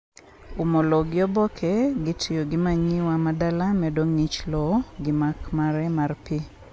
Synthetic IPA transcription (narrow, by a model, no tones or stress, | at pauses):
umɔlɔɡɪɔbɔkʰɛɡɪtʰijoɡɪmaɲiwamadalamɛdoŋnit͡ʃlɔɡɪmakmaɾɛmarpi